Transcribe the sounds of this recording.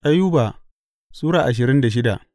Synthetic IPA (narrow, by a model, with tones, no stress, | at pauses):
ʔa˦jːu˦baː˨ | suː˦ɽaː˨ʔa˨ʃ̬ɪ˨ɾɪ˦nda˨ʃ̬ɪ˦da˨ʔ